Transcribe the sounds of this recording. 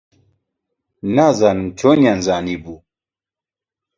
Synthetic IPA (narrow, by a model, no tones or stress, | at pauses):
nazaːnɨmt͡ʃʰoːnjanzaːniːbuː